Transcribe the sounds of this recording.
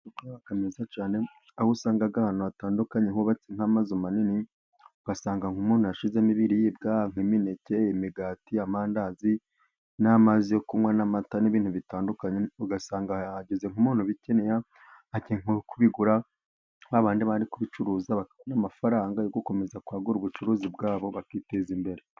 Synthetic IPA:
kakamezat͡ʃaːne̞ | ahusaːŋɡaɡahaːnuataːndukaɲeŋoβat͡seŋ̥hamazomanini | uɡasaːŋɡaŋumuːn̥ujaʃizemiβiɾijiːbɡaŋ̥imineceimiɡaːtiamaːndazi | namazijokumwanamataniβiːnhuβitaːndukaɲeuɡasaːŋɡaaɟeze̞ŋumuːn̥huβicenejaː | cieŋukuβiɡuɾa | ŋ̥aβaːndiβaɾikuβit͡ʃuɾuːzaβakaβanamafaɾaːŋɡajoɡoko̞me̞zakwaːɡuɾuβut͡ʃuɾuzibɡaːβo̞βakitezimbe̞ɾe̞

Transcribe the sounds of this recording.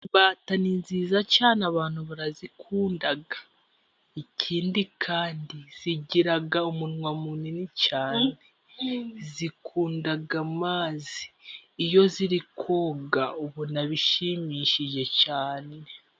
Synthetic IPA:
baːtaninziːzacaːneaβaːn̥huβuɾazikʰuːndaɡa | icʰiːndikʰaːndiz̥iɟiɾaɡaumunŋwamuninit͡ʃaːne̞ | zikʰuːndaɡamaːzi̥ːjo̞ziɾikʰoːɡauβunaβiʃimiʃiʒe̞caːne̞

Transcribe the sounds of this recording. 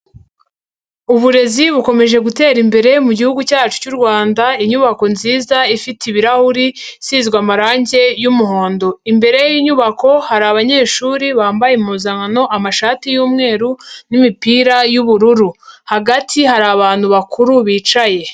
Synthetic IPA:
uβuɾe̞ziβuko̞me̞ʒe̞ɡute̞ːɾimbe̞ɾe̞muɟihuɡucaːt͡ʃu̥cuːɾɡwaːndaiɲuβako̞nziːzaifitiβiɾahuɾi | sizɡwaːmaɾaːɲɟe̞jumuɦo̞ːndo̞imbe̞ɾe̞jiːɲuβako̞haɾaβaɲe̞ːʃuːɾiβaːmbajemuzaŋano̞ʔamaʃaːtijuːmŋe̞ːɾunimipiːɾajuβuɾuɾuhaɡatʰihaɾaːβaːn̥huβakʰuɾuβiːt͡ʃaje̞

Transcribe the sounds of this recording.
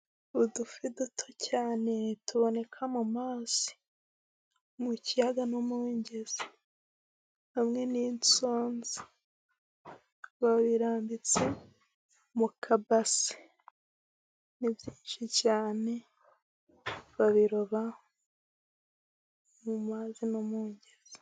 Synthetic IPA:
udufidutʰocaːne̞tuβo̞ne̞kʰamumaːz̥i̥ | mucijaɡanomuɲɟez̥i | hamŋe̞niːnt͡so̞ːnzi | βaβiɾaːmbit͡se̞ | mukʰabasi̥ | nivjiːnʃicaːne̞ | βaβiɾoβa | mumaːzinomuːɲɟez̥i̥

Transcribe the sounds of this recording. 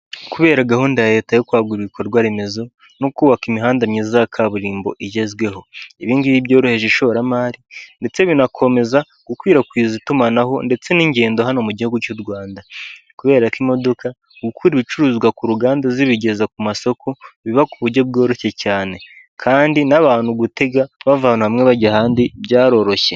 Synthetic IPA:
kuβe̞ːɾaɡahuːndae̞ːtajokwaːɡuɾiɾikoɾoɾɡwaɾeme̞zo̞ | nokuːβakimiɦaːndamɲizazakʰaβuɾiːmbo̞̰ʔiɟe̞zɡwe̞ɦo̞iβiːndiβibɟo̞ːɾohe̞ʒeʃo̞ɾamaːɾinde̞t͡se̞βinakʰo̞me̞za | ɡ̥ukwiːɾakwiːzitumanaɦo̞nde̞t͡se̞niːɲɟe̞ːndo̞ɦanomuɟihuɡucuɾwaːnda | kuβe̞ːɾakimo̞do̞ka | ɡukʰuːɾiβit͡ʃuɾuːzɡwakuɾuɡaːndaziβiɟe̞zakumaso̞kʰoβiβakuβuɾɟo̞b̚ɡo̞ːɾo̞çe̞caːne̞ | kʰaːndinaβaːn̥huɡute̞ɡaβavaːn̥uhamŋe̞βaɟaɦaːndibɟaːɾo̞ɾo̞çe

